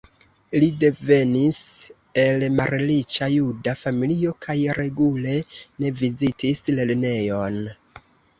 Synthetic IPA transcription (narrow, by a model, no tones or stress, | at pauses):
lide̞ve̞nis | e̞lmaɾelit͡ʃajudafamilio̞kʰajɾe̞ɡule̞ne̞vizitʰisle̞lne̞jo̞n